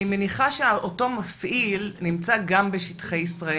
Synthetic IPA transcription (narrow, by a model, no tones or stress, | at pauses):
imeniχaʃeaʔoto̞mafʔilnimt͡saɡambe̞ʃitχe̞jisʁae